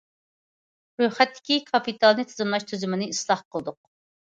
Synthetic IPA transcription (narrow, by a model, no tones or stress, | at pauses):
ɾøjχɛt̪ʰːɪ̥kʲikʰɑpit̪ʰɑlˠnɨt̪ʰɨzɨmlˠɑʃt̪ʰyzymɪnɪislˠɑhqʰəlˠɨd̪ʊq̚